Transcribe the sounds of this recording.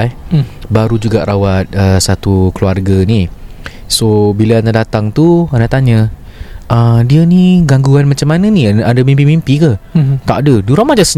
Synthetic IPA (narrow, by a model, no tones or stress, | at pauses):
baɾud͡ʒuɡaʔɾʔawat̪̚əsat̪ukluarɡani | sobilaanadat̪aŋt̪uanaʔt̪aɲə | ʔədiəniɡaŋɡuanmat͡ʃamːanəniadəmĩmpimimpikət̪aʔdəduɾamad͡ʒas